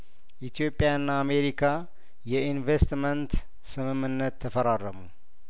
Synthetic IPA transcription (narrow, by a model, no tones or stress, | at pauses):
ʔit̪ʰijo̞pʼːjaɨnːaːme̞ɾikʰa | jɛinvest̪mənt̪ | sɨmɨmːɨnːət̪ʰːəfəɾarːəmu